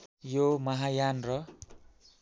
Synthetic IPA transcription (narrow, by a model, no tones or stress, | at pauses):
jomʌɦajanrʌ